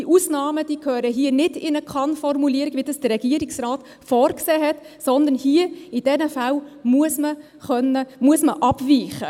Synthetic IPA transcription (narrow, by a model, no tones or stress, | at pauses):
iʔusnɑːməd̥iːkʰhøːɾəɦiːənɪdɪnəkʰχɑnfɔrmuliəɾiɡ̥ʋiədɑsd̥əɾɛɡ̥iəɾiksrɑːt | fɔːɾkseːɦɛt | sɔnd̪ənhiːəid̥ɛnəfæwmuəsmə | χœnːəmuəsməʔɑbviːχə